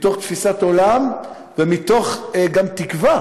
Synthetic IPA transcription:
t̪o̞χt̪fisat̪o̞lam | vemit̪o̞χɡamt̪ikva

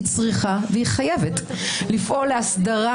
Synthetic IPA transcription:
t͡sʁiχaveiχajevet | lifʔoleasdaʁa

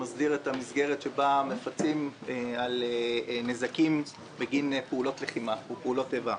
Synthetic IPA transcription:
mazdiʁethamisɡeʁetʃebamefat͡simealenezakim | beɡinpeulo̞tleχimaupeulo̞teva

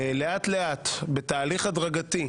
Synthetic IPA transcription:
le̞at̪le̞ʔat̪bet̪aːliχadʁaɡat̪i

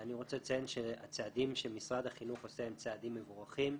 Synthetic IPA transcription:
aniʁo̞t͡selt͡sajenʃea̰t͡sead̪imʃemisʁad̪haχinuχosehemt͡sead̪imːevuʁaχim

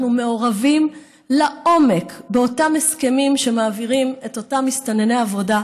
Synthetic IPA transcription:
nume̞o̞ʁavim | laʔo̞me̞kbeotameske̞mimʃe̞maːviʁime̞to̞tamistanenejavo̞da

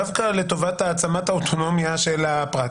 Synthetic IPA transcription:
avkale̞to̞vataːt͡samataotʰo̞no̞mjaʃelapʁa

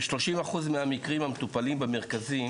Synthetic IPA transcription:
ʃlo̞ʃimaχuzmeamikʁimamet̪upalimbemeʁkazi

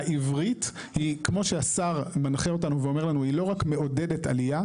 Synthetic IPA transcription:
aʔivʁit | hikmo̞ʃeasaʁmanχeo̞tanuveo̞me̞ʁlanuilo̞ʁakme̞o̞de̞de̞ta̰lija

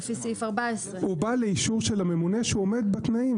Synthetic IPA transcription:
fisifaʁbaesʁehubaleiʃuʁʃe̞lame̞mune̞ʃuome̞d̪̚bat̪naim

